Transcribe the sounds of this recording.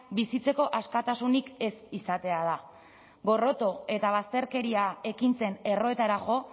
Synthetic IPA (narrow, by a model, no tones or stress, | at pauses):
bisit͡se̞ko̞ʔaskat̪asunike̞sisat̪e̞að̞a | ɡo̞ro̞t̪o̞e̞t̪aβ̞ast̪e̞ɾke̞ɾiae̞kint͡se̞ne̞ro̞e̞t̪aɾaʝo̞